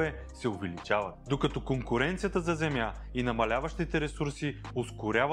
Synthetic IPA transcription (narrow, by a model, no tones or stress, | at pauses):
ɛ | sɛʊvɛlit͡ʃavət̪̚d̪okɐt̪ɔkoŋkʊɾɛnt̪siət̪əzɐzɛmja | inɐmɐlʲavɐʃt̪it̪ɛɾɛsuɾsi | oskʊɾʲav